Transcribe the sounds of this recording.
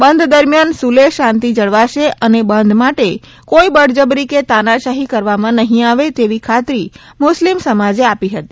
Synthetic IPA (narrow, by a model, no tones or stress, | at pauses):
bənd̪ʱd̪əɾmjansuleʃãnt̪id͡ʒəɽʋaʃeʔənebənd̪ʱmaʈe | koibəɽd͡ʒəbɾiket̪anaʃaɦikəɾʋamãnəɦĩaʋet̪eʋikʰat̪ɾi | mʊslimsəmad͡ʒeapiɦət̪i̥